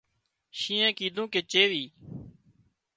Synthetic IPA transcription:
ʃĩːɛ̃ːkiːd̪ʱũːkeːt͡ʃeːʋiː

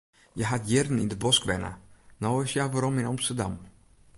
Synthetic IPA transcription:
jəɦatjɪrdən̩ɪ̰ndəbɔskʋɛ̰nə̰nɔwɪsjaʋaɾɔmɪnɑmstərdɑ̰m

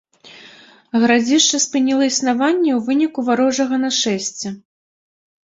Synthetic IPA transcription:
ɣɾad͡zʲiʂt͡ʂɐspɨnʲilˠɐisnavanʲːɛwvɨnʲikuvaɾɔʐɐɣɐnɐʂɛsʲt͡sʲɛ

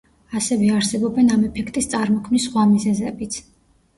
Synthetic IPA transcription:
asɛvɛaɾsɛbɔbɛnamɛpʰɛkʰt̪ʼist̪sʼaɾmɔkʰmnisːχwamizɛzɛbit̪sʰ

